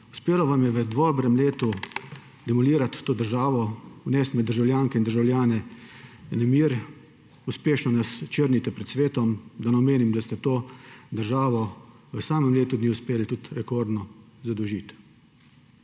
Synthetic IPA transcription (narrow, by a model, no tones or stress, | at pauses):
uspeːlɔʋamjɛʋəd̪ʋoːbɾɛmleːt̪u | d̪ɛmɔliːɾat̪ːoːd̪əɾʒaːʋɔunɛːst̪mɛd̪ːəɾʒawlʲjaːŋkɛind̪əɾʒawljaːnɛ | nɛmiːɾ | uspeːʃnɔnast͡ʃəɾnit̪ɛpɾɛt̪sʋeːt̪ɔmd̪anɔmmeːnimd̪ast̪ɛt̪oːd̪əɾʒaːʋɔ | ʋəsaːmɛmleːt̪ud̪niuspeːlt̪ut̪ɾɛkoːɾd̪nɔ | zad̪uʒit̪